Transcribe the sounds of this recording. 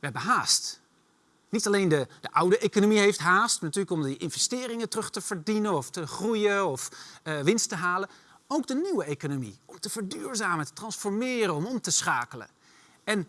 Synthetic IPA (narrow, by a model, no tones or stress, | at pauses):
ʋəɦɛbəɦaːst | nitɑlejndəd̥əʔʌwdəʔejkonomiɦejftɦaːstnatyːɹləkɔmdəʔɪnvɛstɪːrɪŋətərɵχtəv̥əɹdinənɔftəχrujəɔfʋɪnstəɦaːlə | owɡdəniwəejkonomḭɔmtəv̥əɹdyːɹzaːmətə̥trɑnsfɔɹmɪːrənɔmɔmtəsχaːkələ̰ | ɛn